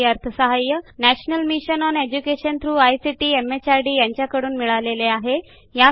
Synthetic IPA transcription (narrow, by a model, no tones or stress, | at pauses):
əɾt̪ʰəsəɦajːənæɕnəlmiɕənɔned͡ʑukeɕənt̪ʰɾuːajsiʈiːemet͡ɕaɾɖiːjaɲt͡ɕjakəɽuːnmiɭaleleaɦe | ja